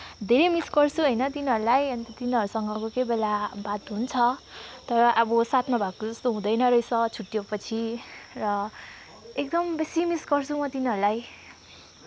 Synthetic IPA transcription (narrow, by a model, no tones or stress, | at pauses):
d̪ʱeɾemisɡʌrt͡sʰuɦʌjnʌt̪inɦʌɾulajʌnt̪ʌt̪inɦʌɾusʌŋɡʌkokebelabat̪ɦunt͡sʰʌt̪ʌɾʌʔʌbʌsat̪ʰmabʱaɡ̚kod͡zʌst̪oɦũd̪ʌjnʌɾʌjt͡sʰʌt͡sʰuʈːjopʌt͡sʰirʌ | ek̚d̪ʌmbesimisɡʌrt͡sʰumʌt̪inɦʌɾulaj